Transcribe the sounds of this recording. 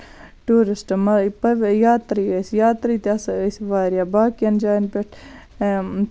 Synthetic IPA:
ʈuːɾɪsʈmɐpɐʋjaːt̪ɾiːɐsjaːt̪ɾiːt̪iɐssʋaːɾjaːbaːkijɐnd͡ʒaːnpeʈʰ

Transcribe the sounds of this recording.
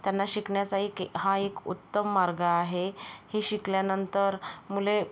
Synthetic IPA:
t̪janːaɕikɳjasaɦikɦaekṵt̪ːəmːaɾɡaːɦehiɕikljanənt̪əɾmule

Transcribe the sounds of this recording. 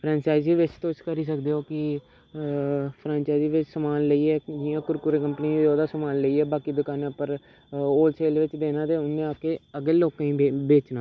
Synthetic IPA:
pʰɾãːnt͡ʃaːɪziːʋɪt͡ʃt̪oːt͡ʃkəɾiːs̬əkd̪eːoːkɪ | pʰɾãːnt͡ʃaːɪziːʋɪt͡ʃsəmaːnləiːɛːd͡ʒɪjãːkʊɾkʊɾeːkəmpəniioːd̪aːsəmaːnləiːɛːbaːkiːd̪əkaːnaːpəɾ | oːlsʰeːlʋɪt͡ʃd̪eːnãːt̪eːʊnd̪eaːkeːəɡeːloːkãːĩebeːt͡ʃnaː

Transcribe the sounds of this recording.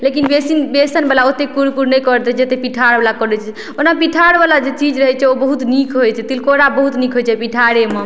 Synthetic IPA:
lekinbesinbesənbelaot̪ekuɾkuɾnɛjkəɾt̪ɛd͡ʒet̪epiʈʰaɾbelakɔɾɛt͡ʃʰɛ | onapiʈʰaɽbalad͡ʒet͡ʃid͡ʒɾəɦɛt͡ʃʰɛobəɦut̪nikʰɦojt͡ʃʰɛt̪ilkoɾabəɦut̪nikʰɦojt͡ʃʰɛpiʈʰaɽeme

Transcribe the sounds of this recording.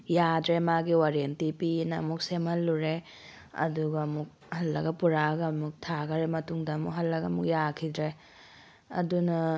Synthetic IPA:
jadɾemaɡiwaɾentipinɐɐ̰muk̚semhɐlːuɾe | ɐ̰duɡɐːmuk̚ | hɐlːɐɡɐpuɾaɡɐmuk̚tʰaɡɐɾemɐtuŋdɐːmukɦɐlːɐɡɐɐmuk̚jakʰidɾe | ɐ̰dunɐ

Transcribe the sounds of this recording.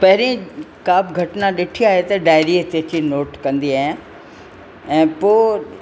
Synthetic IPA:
pɐɦɪɾĩkaːbɡʱɐʈnãɗɪʈʰiaːɦet̪ɐɖaːɪɾit̪etinoːʈkɐ̃nd̪iaːɦjã | ɛ̃ːpoː

